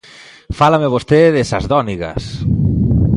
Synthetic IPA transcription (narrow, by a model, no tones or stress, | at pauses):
falameβost̪eðesazðɔniɣɐ̰s